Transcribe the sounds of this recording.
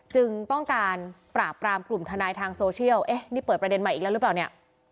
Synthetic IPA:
t͡ɕɯ˧ŋt̪ɔ˥˩ŋkaː˧npɾaː˨˩pːɾaː˧mklu˨˩mt̪ʰa˧naː˧jt̪ʰaː˧ŋsoː˧t͡ɕʰi˥˩əwʔe˦˥niː˥˩pɤː˨˩t̪̚p̚ɾa˧de˧nma˨˩ʔiː˨˩k̚lːɾpaː˨˩ni˥˩ɐ

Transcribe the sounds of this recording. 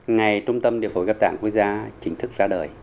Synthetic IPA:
ŋa˨˩jt͡ɕʊ˧ŋ͡mt̪ə˧mɗḭ˧˨əfo˨˦jɣaː˦˥p̚t̪aː˧˩ŋku˦˥ək̚zaː˧t͡ɕï˨˦ŋ̟t̪ʰɨ˦˥k̚zaː˧ɗəː˨˩j

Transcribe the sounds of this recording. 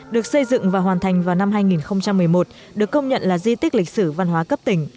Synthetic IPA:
ɗɨ˨˩ək̚sə˧jzɨ̰˧˨ŋvaː˨˩wɦwaː˨˩nt̪ʰa˨˩jŋ̟vaː˨˩wna˧mɦaː˧jŋi˨˩nxə˧wŋ͡mt͡ɕa˧mːɨ˨˩əjmo˨˩t̚ | ɗɨ˨˩əkːə˧wŋ͡mɲə̰˧˨nlaː˨˩zi˧t̪ï˦˥k̟̚lï˨˩k̚sɨ˧˩va˧nɦwaː˨˦kə˦˥p̚t̪ï˧˩ŋ̟

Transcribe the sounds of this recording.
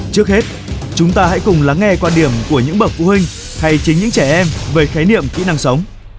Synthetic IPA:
t͡ɕɨ˦˥ək̚he˦˥t̚ | t͡ɕʊ˨˦ŋ͡mt̪aː˧ha̰˧˥jkʊ˨˩ŋ͡mlaː˨˦ŋːɛ˧kwaː˧nɗi˧˩əmku˧˩əɲɨ̰˧˥ŋɓə˨˩t̚fu˨˦hï˧ŋ̟ | ha˧jt͡ɕï˨˦ŋɲɨ̰˧˥ŋt͡ɕɛ˧˩ʔɛ˧mveː˨˦xaː˨˦jnḭ˧˨əmkḭ˧˥na˧˩ŋsə˨˦wŋ͡m

